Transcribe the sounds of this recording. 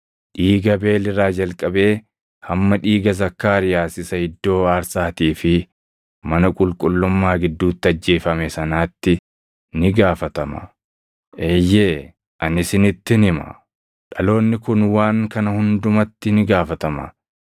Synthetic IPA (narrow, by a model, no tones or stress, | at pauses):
ᶑiːɡɐbe̞ːlɪɾaːd͡ʒɐlkʼɐbe̞ː | hɐmːɐᶑiːɡɐzɐkːaːɾɪjaːsɪsɐhɪd̪ːo̞ːaːɾsaːt̪iːfɪ | mɐnɐkʼʊlkʼʊlːʊmːaːɡɪd̪ːuːt̪ːɪɐd͡ʒːe̞ːfɐmɛsɐnaːt̪ːɪ | nɪɡaːfɐt̪ɐmɐ̰ | ʔeːjːeː | ʔɐnɪsɪnɪt̪ːɪnɪmɐ̰ | ᶑɐlo̞ːnːɪkʊnwaːŋkɐnɐhʊnd̪ʊmɐt̪ːɪnɪɡaːfɐt̪ɐmɐ̰